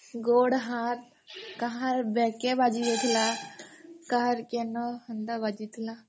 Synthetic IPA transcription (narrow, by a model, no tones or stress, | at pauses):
ɡoːɽɦãɾ | kaɦãɾbɛkebad͡ʒiet̪ʰila | kaɦɾkenɔhənd̪abad͡ʒit̪ʰla